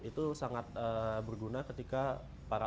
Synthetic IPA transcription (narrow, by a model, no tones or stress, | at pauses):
it̪usaŋat̪̚əbərɡunakət̪ika | paɾa